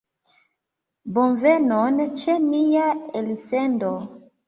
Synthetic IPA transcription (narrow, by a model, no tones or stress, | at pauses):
bonvenɔnt͡ʃenijaelifendo